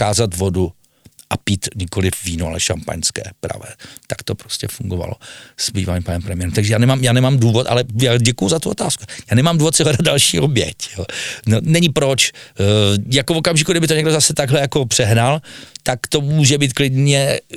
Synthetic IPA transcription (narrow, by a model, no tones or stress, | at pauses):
kaːzat̪vo̞du | ʔapiːt̪ɲɪko̞lɪfviːnoa̰lɛʃa̰mpa̰ɲskɛ̰ːpɾa̰vɛ̰ːt̪ḁkt̪o̞pɾoscɛfuŋɡova̰lo̰z̥bḭːvaɲimpanɛmpɾɛmɪjɛɾɛmt̪aɡʒɛjaːnɛmaːmjaːnɛmaːmduːvot̪ʔa̰lɛjaːɟɛkujʊzat̪uo̞t̪aːsku̥jaːnɛmamduːvot̪̚sɪɦɛdad̪dalʃiːʔobjɛ̰cjoːnonɛɲɪpɾot͡ʃ | jakovo̞kamʒɪkuɡdɪbɪt̪oɲɛɡdozasɛt̪aɡɦlɛjako̞pr̝̥ɛɦnalt̪akt̪o̞muːʒɛbiːt̪klɪdɲɛ